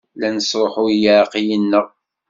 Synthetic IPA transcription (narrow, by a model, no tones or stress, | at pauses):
lænəsɾˤoħʊjaɾqijənːəʁ